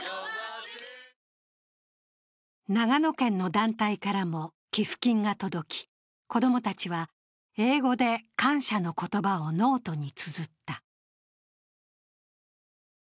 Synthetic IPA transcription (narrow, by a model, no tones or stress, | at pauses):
naɡano̞kẽ̞nːo̞d̪ãnt̪aikaɾamo̞ | kʲiɸɯ̥kʲĩŋɡat̪o̞d̪o̞kʲi̥ | ko̞d̪o̞mo̞t̪at͡ɕiβa | e̞ːɡo̞d̪e̞kãɰ̃ɕano̞ko̞t̪o̞bao̞no̞ːt̪o̞ɲ̟it͡sɨzɨt̪ːa